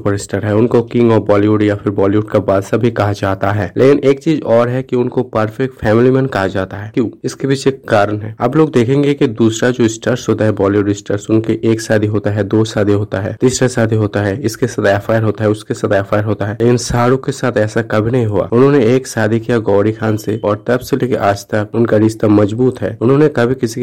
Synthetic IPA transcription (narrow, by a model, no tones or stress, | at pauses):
pəɾɪsʈəɾɦɛʊnkokɪ̃ŋɡɔːɾbɔːliʋʊɖjafʰɪɾbɔːliʊʈkabaːlsabʱikɐɦad͡ʒaːt̪aɦɛːlʔeːkɪneːkt͡ʃiːzɔːɾɦɛkiʊnkopəɾfɛk̚ʈfʰɛːmɪlimɛ̃nkɐɦad͡ʒaːt̪aɦɛːkjõːɪskebiːt͡ʃekːaːɾənɦɛːa̰ːploːɡ̚d̪eːkʰẽːŋɡekid̪uːsɾad͡ʒoːɪsʈəɾsɦoːt̪aɦɛbɔːljiɖɪsʈəɾsʊnkeʔeːksaːd̪ʱiɦoːt̪aɦɛd̪oːsaːd̪ʱiɦoːt̪aɦɛːt̪iːsɾasaːd̪ʱiɦoːt̪aɦɛɪskesɐd̪ɛːfaːɪɾɦoːt̪aɦɛʊskesɐd̪ɛːfaːɪəɾɦoːt̪aɦɛːleːkɪnsaːɽũkesaːt̪ʰɛːsakɐbʱinɐɦĩɦua̰ːʊnɦõːneeːksaːd̪ʱikijaɡɔːɾixʰaːnseɔːɾt̪ɐbseleːkeʔaːd͡ʒt̪ək̚ʊnkaɾɪːst̪amɐd͡ʒbuːt̪ɦɛ̰ːʊnɦõːnekɐbʱikɪsi